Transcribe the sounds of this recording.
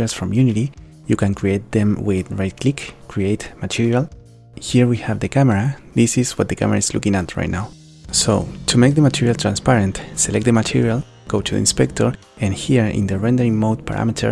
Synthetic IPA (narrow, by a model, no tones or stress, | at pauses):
alsfɾɔ̃mjuniɾi | jukãnkɹiejt̪̚ðɛ̃mwiðɹajd̪̚kʰlikkʰːɹiejt̪matʰiɹial | hiɹwihavðɨkʰameɾaðisiswʌt̪̚əkʰa̰mḛɾaizlṵkĩŋat̪ɹa̰jt̚ⁿnaw | so̰t̪ʰumejk̚ðəmat̪ʰiɹialt̪ʰɾãnspaɾẽnt̪selɛk̚t̚d̪əmatʰiɹial | ɡ̥oʊt̪ʰuð̰ḭ̃nspɛk̚t̪ʰoɹ | ãnhiɹɪ̰̃nd̪əɹɛ̃nd̪əɾĩŋmod̪̚pʰa̰ɾʔa̰mitʰə̰